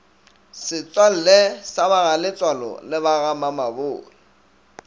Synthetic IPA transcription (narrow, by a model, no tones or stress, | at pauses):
sɪt͡sʼwal̩lɛsaβaɣalɪt͡sʼwalɔ̰lɪβaɣamamaboːɣɪ